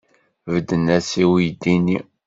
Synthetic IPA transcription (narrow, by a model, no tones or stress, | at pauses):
vəd̪ːənæsiwijd̪ini